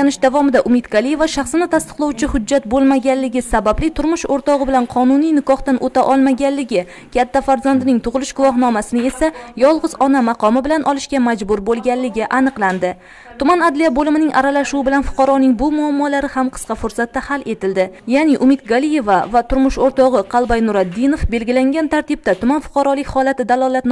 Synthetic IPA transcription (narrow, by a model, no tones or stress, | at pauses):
anɪʃd̪avɒmɪd̪aʔʊmɪt̪ɡalˠije̞vaʃaχsɪnɪt̪ʰast̪ɨ̥qlˠawt͡ʃʰɪhʊd͡ʒːat̪̚bolˠmaɡʲanlːɪɡʲɪsabablɪt̪ʰʊɾmʊʃoɾt̪ɒʁɨbɪlanqʰɒnʊnijnɪkɒht̪anʔot̪ʰaʔɒlˠmaɡʲanlːɪɡʲɪ | kʲʰat̪ʰːafaɾzand̪ɪnɪŋt̪ʰʊʁɨlˠɪʃɡ̥ʊvɒɦnɒmasɪnɪe̞sajɒlˠʁɨzɒnamɑqʰɒmɪbɪlanʔɒlˠɪʃkʲamad͡ʒbʊɾbolˠɡʲanlːɪɡʲɪʔanɨqlˠand̪ɪ | t̪ʰʊmanad̪lijabolɪmɪnɪŋa̰ɾalaʃuɪbɪlanfʊ̥qʰɑɾɒnɪŋbʊmʊamːɒlaɾɪhamqʰɨ̥sqɑfʊɾsat̪ːahale̞t̪ɪld̪ɪjanɪʔʊmɪt̪̚ɡalije̞vavat̪ʰʊɾmʊʃoɾt̪ɒʁɨqʰɑlˠbajnʊɾad̪ːinofbe̞lɡʲɪlaŋɡʲant̪ʰaɾt̪ɪb̚t̪at̪ʰʊmanfʊ̥qʰɑɾɒlɪkʲhɒlat̪ɪd̪alˠɒlˠat̪n